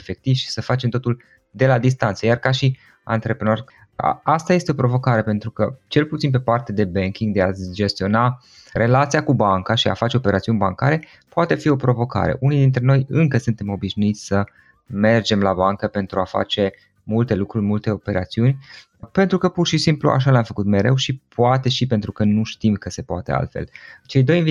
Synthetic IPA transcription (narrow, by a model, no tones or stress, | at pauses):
efe̞k̚t̪ivʃi̥səfat͡ʃe̞mt̪o̞t̪ul | d̪e̞lad̪is̬t̪ant̪səjarkaʃi | a̰nt̪ɾe̞pɾenor̰ | ast̪aje̞st̪eo̞pɾo̞vo̞kaɾe̞pe̞nt̪ɾukət͡ʃe̞lput̪sinp̬e̞part̪e̞d̪e̞beŋkʲiŋɡd̪e̞ad͡ʒe̞st̪io̞na | ɾe̞lat̪sijakubaŋkaʃia̰fat͡ʃe̞o̞pe̞ɾʔat̪siunʲbaŋkaɾe̞ | poat̪e̞fio̞pɾo̞vo̞ka̰ɾe̞̰ʔunijd̪int̪ɾe̞no̞jɨŋkəsɨnt̪e̞mo̞biʃnuit̪sʲsə | me̞rd͡ʒe̞mlabaŋkəpe̞nt̪ɾuafa̰t͡ʃe̞ | mult̪e̞lukɾurʲmult̪e̞o̞pe̞ɾʔa̰t̪siunʲ | pe̞nt̪ɾukəpurʃisimplṵʔa̰ʃ̬aleamfəkut̪me̞ɾe̞wʃipuat̪e̞ʃipe̞nt̪ɾukənuʃt̪imkəse̞poat̪e̞̰a̰lt̪fe̞̰lt͡ʃe̞jd̪o̞jinvi